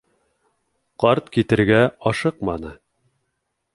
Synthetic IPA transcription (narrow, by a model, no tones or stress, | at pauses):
qɑɾt̪kit̪ɘ̆ɾɡæɑʃɤqmɑnɤ